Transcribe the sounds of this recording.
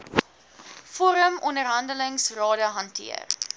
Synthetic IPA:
foːɾəmɔndərɦɐndələŋsrɑːdəɦɐntʰḭə̰r

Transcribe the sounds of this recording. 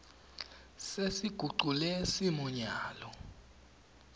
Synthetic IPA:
sesiɡ̥ʱuɡ͡ǃʱulɛsimuɲaːlɔ

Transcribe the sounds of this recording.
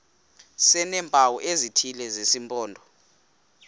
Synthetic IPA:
sɛnɛːmpʼawɔʔezitʰilɛzesimpʼɔːndʱɔ

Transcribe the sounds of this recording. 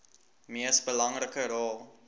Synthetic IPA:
miəsbəlɐŋrəkəɾɑːlˠ

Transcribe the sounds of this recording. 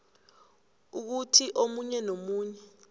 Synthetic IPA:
uk̬utʰiʔomuɲɛnomuːɲɛ

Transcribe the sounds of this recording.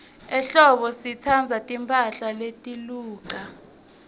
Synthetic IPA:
ɛɬɔɓɔsit͡sʰand͡zʱatʼimpʰʼaɬaletʼiluːǃa

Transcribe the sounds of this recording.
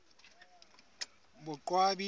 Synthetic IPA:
bʊkʼwabi

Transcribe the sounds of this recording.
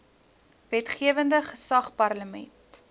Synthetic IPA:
vɛtχiəvəndəχəsɐχpɐrləmɛ̰nt

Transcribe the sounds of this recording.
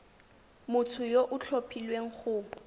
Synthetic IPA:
mʊtʰʊjoʔʊt͡ɬʰopʰilweŋ̩χʊː

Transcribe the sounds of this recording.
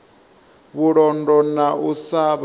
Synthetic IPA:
βuɺɔndɔnausaβ

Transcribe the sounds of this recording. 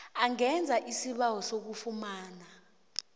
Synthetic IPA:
aŋɛnd͡zʱaʔisiɓawɔsok̬ufumaːna

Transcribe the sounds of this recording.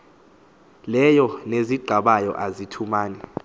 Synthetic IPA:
lɛjɔneziɡ͡ǃʱaɓajɔ̰ʔazitʰumaːnɛ

